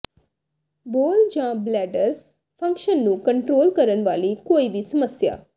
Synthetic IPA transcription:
boːld͡ʒãblɛːɖəɾ | pʰə̃ŋkʃənːũkə̃ɳʈɾoːlkəɾənʋaːlikoːiʋisəməsja̰ː

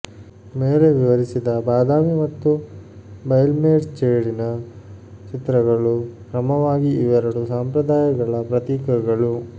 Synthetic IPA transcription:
meːle̞ʋiʋɐɾisid̪ɐbaːd̪aːmimɐt̪ːu | bɐjlmeːɖt͡ʃeːɽinɐ | t͡ʃit̪ɾɐɡɐɭukɾɐmɐʋaːɡiiʋɐɾɐɽusaːmpɾɐd̪aːjɐɡɐɭɐpɾɐt̪iːkɐɡɐɭu

